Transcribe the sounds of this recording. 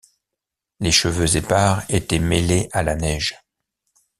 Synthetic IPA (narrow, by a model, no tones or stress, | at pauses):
leʃəvøzepaʁet̪ɛmeleʔalanɛʒ